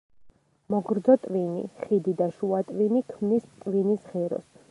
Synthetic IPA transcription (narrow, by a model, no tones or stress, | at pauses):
mɔɡɾd̪zɔt̪ʼvinḭχid̪id̪aʃuat̪ʼvinikʰmnist̪ʼvinisχɛɾɔ̰s